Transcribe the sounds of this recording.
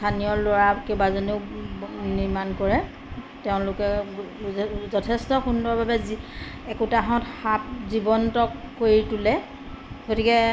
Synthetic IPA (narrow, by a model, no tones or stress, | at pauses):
stʰaniɔloɹakebazoneʊniɹmankɔɹɛ | tɛʊ̃lʊkɛ | zɔtʰɛstɔxundɔɹbabɛzi | ɛkutaɦɔ̃txap̚zibɔntɔkːoɹitulɛ | ɡotikɛ